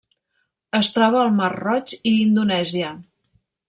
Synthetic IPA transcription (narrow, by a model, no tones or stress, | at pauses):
əst̪ɾɔβ̞əːlˠmarrɔt͡ʃiːnd̪unɛziə